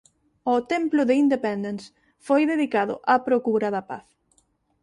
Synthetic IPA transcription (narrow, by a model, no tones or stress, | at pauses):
ɔt̪ɛmplʊðɪind̪epɛnd̪ens | fojðeðikaðʊ̰ʔapɾokuɾɐðɐpa̰θ